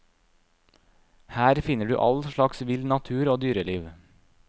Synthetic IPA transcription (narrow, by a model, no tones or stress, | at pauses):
hæːɾfɪnəɖʉ̰ːʔɑlʃɭɑksʋɪlnɑt̪ʰʉːɾoːd̪yːɾəliːʋ